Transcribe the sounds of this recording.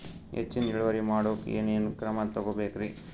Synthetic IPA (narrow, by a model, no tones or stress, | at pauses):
ḛt͡ʃːind͡ʒiɭuʋɐɾimaːɽoːkḛːneːnukɾɐmat̪ɐɡobeːkɾi